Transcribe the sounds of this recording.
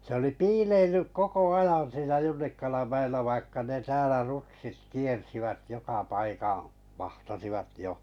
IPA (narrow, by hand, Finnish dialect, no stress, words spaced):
se oli piːleilːyk koko ɑjɑn siːnæ junːikɑlɑm mæelːæ ʋɑikːɑ ne tæːlæ rutsit kiersiʋæt jokɑ pɑikɑ̃ː ʋɑhtɑsiʋɑt jo